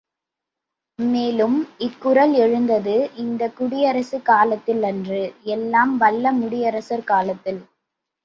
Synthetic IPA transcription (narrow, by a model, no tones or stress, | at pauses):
meːlɯmɪkːʊɾɐlɛɻɯnd̪ɐðɯʔɪnd̪ɐkʊɽɪjɐɾɐsɯkaːlɐt̪ːɪlɛndrɯɛlːaːmʋɐlːɐmʊɽɪjɐɾɐsɐɾkaːlɐt̪ːɪl